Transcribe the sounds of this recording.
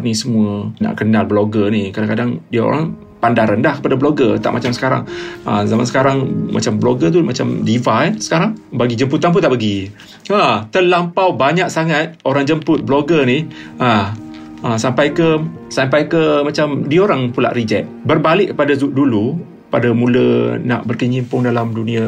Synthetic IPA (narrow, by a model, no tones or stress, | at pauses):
nisəmuəna̰ʔkənalbloɡənikadaŋkadaŋdiao̰ɾa̰ŋ | pandaɾandahkəpadabloɡət̪a̰ʔmat͡ʃamsə̥kaɾa̰ŋə̰zamansə̥kaɾaŋmʔa̰t͡ʃambloɡət̪̬umat͡ʃamdifasə̥kaɾaŋbaɡid͡ʒəmput̪anp̬ʊnt̪aʔpəɡi | at̪əlampawbaɲak̚saŋat̪̚oɾaŋd͡ʒəmpʊt̪̚bloɡəniha | əsampajkə | sampajkəmat͡ʃamdiaoɾaŋpula̰ʔrid͡ʒɛ̰t̪̚bərbalɪʔkːəpadazuʔ̚dulu | padamuləna̰ʔbərkəɲimpʊŋdalamdunĩa